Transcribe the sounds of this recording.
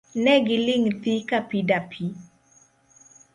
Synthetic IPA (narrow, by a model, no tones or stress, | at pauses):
nɛɡɪlɪŋt̪ikapidapʰi